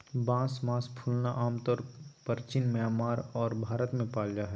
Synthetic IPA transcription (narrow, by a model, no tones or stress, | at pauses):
bãːsmãːspʰuːlnaʔaːmt̪ɔɾpəɾt͡ʃɪnmeaːmaːɾɔːɾbʱaːɾət̪mẽpaːld͡ʒaɦɛ